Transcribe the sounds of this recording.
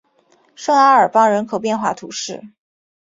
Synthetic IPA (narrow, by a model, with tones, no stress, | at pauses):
ʂɤ˥˩ŋa˥ə˞˨˩pɑ˥ŋɻə˧˥nkʰo˨ʊpjɛ˥˧nxwa̰˥˩t̪ʰu˨˧˥ʂɻ̩˥˩